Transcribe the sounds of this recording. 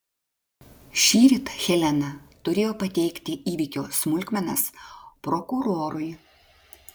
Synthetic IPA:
ʃʲiːɾʲɪt̪xʲɛlʲɛnɐt̪ʊɾʲeːjoːpɐt̪ʲɛɪkʲt̪ʲɪʔiːʋʲikʲoːsmʊlʲˑkʲmʲɛnɐspɾɔkʊɾoːɾʊj

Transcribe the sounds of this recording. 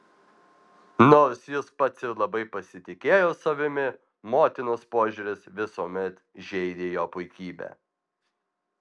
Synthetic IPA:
noːɾsjɪspɐt̪sɪɾlˠɐbɐɪpɐsʲɪt̪ʲɪkʲeːjoːsɐʋʲɪmʲɪ | moːt̪ʲɪnoːspoːʒʲʊɾʲɪsʋʲɪsuːmʲɛt̪ | ʒʲɛɪd̪ʲeːjoːpʊɪkʲiːbʲɛ̰

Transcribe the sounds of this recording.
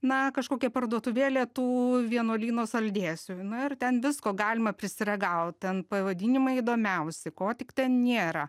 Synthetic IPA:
nɐkɐʃkoːkʲɛpɐrd̪uɔt̪ʊʋʲeːlʲeːt̪uːʋʲiɛnoːlʲiːnoːsɐlʲd̪ʲeːsʲunʊɪrt̪ʲɛnʋʲɪskoːɡɑːlʲɪmɐpʲɾʲɪsʲɪɾʲɛɡɐʊt̪t̪ʲɛnpɐʋɐd̪ʲiːnʲɪmɐɪid̪oːmʲɛʊsʲɪkoːt̪ʲɪkt̪ʲɛnnʲeːɾɐ

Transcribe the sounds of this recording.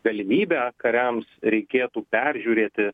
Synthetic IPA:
ɡɐlʲɪmʲiːbʲæːkɐɾʲɛmsɾʲɛɪkʲeːt̪uːpʲɛɾʲʒʲuːɾʲeːt̪ʲɪ

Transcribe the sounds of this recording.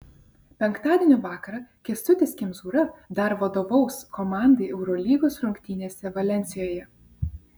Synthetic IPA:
pʲɛŋkt̪ɑːd̪ʲeɛnʲuˑʋɑːkɐɾɐkʲɛst̪ʊt̪ʲeːsʲkʲɪmzuːɾɐd̪ɐɾʋɐd̪oːʋɐʊskɔmɑˑnd̪ɐɪʔɛʊɾɔlʲiːɡoːsɾʊŋʲkʲt̪ʲiːnʲeːsʲɛʋɐlʲɛnʲsʲɪjoːjɛ

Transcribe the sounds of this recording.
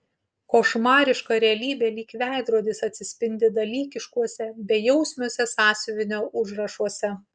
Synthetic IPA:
koːʃmɑːɾʲɪʃkɑɾʲɛɐlʲiːbʲeːlʲiːkʋʲæˑɪd̪ɾuɔd̪ʲɪsɐt̪ʲsʲɪsʲpʲɪnʲd̪ʲɪd̪ɐlʲiːkʲɪʃkuɔsʲɛbʲɛjɛʊsʲmʲuɔsʲɛsɑːsʲɪʋʲɪnʲoːʊʒɾɐʃuɔsʲɛ

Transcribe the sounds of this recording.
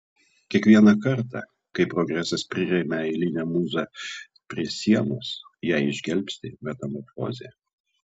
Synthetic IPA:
kʲiɛkʋʲiɛnɐkɐɾˑt̪ɑ̰ | kɐɪpɾɔɡɾʲæsɐspʲɾʲɪɾʲɛmʲɛɪlʲɪnʲɛmuːzɑ | pʲɾʲiɛsʲiɛnoːsjæˑɪɪʒʲɡʲɛlʲpʲsʲt̪ʲɪmʲɛt̪ɐmɔɾfo̰ːzʲe

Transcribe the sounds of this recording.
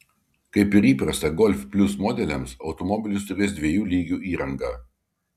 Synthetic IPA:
kɐɪpɪɾiːpɾɐst̪ɐɡɔlʲfʲpʲlʲʊsmoːd̪ʲɛlʲɛmsɒʊt̪ɔmɔbʲɪlʲʊst̪ʊɾʲeːsd̪ʲʋʲiɛjuːlʲiːɡʲuːiːɾɐŋɡɑ

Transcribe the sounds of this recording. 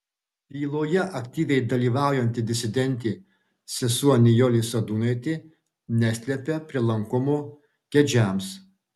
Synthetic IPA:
lʲiːlˠoːjɛʔɐkt̪ʲiːʋʲɛɪd̪ɐlʲiːʋɑˑʊjɛnʲt̪ʲɪd̪ʲɪsʲɪd̪ʲɛnʲt̪ʲeː | sʲɛsuɔnʲɪjɔlʲisɐd̪uːnɐɪt̪ʲɪ | nʲæsʲlʲɛpʲɛpʲɾʲɪlˠɐŋkʊmʊ | kʲɛd͡ʒʲæms

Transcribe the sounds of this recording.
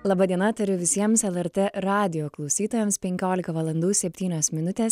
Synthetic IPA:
lˠɑːbɐd̪ʲiɛnɐt̪ɐɾʲʊʋʲɪsʲiɛmsɛlˠɛɾt̪ʲeɾɑːd̪ʲɪjoːklˠɒʊsʲiːt̪oːjɛmspʲɛŋʲkʲoːlʲɪkɐʋɐlˠɐnd̪uːsʲɛpʲt̪ʲiːnʲoːsmʲɪnʊt̪ʲeːs

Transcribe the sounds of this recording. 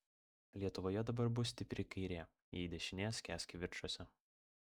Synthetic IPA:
lʲiɛt̪ʊʋoːjɛd̪ɐbɐɾbʊsʲt̪ʲɪpʲɾʲɪkɐɪɾʲeː | jɛɪd̪ʲɛʃʲɪnʲeːsʲkʲæːsʲkʲɪʋʲɪɾʃoːsʲɛ

